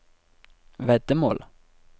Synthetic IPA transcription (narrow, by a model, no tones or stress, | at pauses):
vɛd̪əmo̰ːl